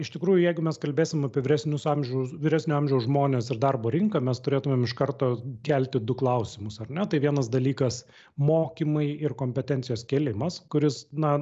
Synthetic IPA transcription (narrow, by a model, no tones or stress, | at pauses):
ɪʃt̪ʲɪkɾuːjʊjɛɪɡʊmʲɛskɐlʲbʲeːsʲɪmɐpʲiɛʋʲɪɾʲæsʲnʲʊsɑmʲʒʲɛʊsʋʲɪɾʲæːsʲnʲuɑmʲʒʲɛʊsʒmoːnʲeːsɪrd̪ɐrboːɾʲɪŋkɐmʲɛst̪ʊɾʲeːt̪ʊmʲeːmɪʃkɐɾt̪oːkʲælʲt̪ʲɪd̪ʊklˠɐʊsʲɪmʊsɐrnʲɛt̪ɐɪʋʲiɛnɐsd̪ɐlʲiːkɐs | moːkʲimɐɪɪrkoːmʲpʲɛt̪ʲɛnt̪sʲɪjoːskʲeːlʲɪmɐskʊɾʲɪsnɐ